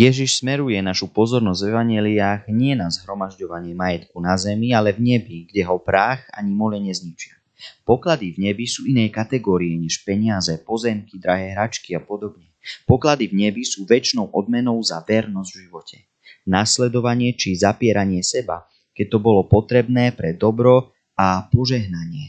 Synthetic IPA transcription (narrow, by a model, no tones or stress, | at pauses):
jɛʒiʃsmɛɾujɛnaʃupɔzɔɾnɔzɟ̪vɛʋaɲɛliaːɣɲɪɛnazɦɾɔmaʒɟɔʋaɲɪɛmajɛt̪kunazɛmialɛvɲɛbiɡɟɛɦɔpɾaːxa̰ɲimɔlɛɲɛzɲit͡ʃɪa | pɔklad̪ivɲɛbisuːinɛːjkat̪ɛɡɔːɾiɛɲɛʃpɛɲɪazɛpɔzɛmkid̪ɾaɦɛːɦɾat͡ʃkiapɔd̪ɔbɲɛpɔklad̪ivɲɛbisuːʋɛt͡ʃnɔʊʔɔd̪̚mɛnɔʊzaʋɛɾnɔzɟvʒiʋɔcʰɛ | naːslɛd̪ɔʋaɲɪɛt͡ʃizapɪɛɾaɲɪɛsɛba̰ | kɛc̚t̪ɔbɔlɔpɔt̪ɾɛbnɛːpɾɛd̪ɔbɾɔ | apɔʒɛɦnaɲɪɛ